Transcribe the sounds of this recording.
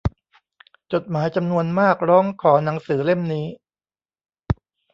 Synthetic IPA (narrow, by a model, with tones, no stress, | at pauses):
t͡ɕo˨˩t̪̚maː˩˦jt͡ɕa˧mnu˧ənmaː˥˩k̚ɾɔː˦˥ŋkʰɔː˩˦na˩˦ŋsɯː˩˦le˥˩mniː˦˥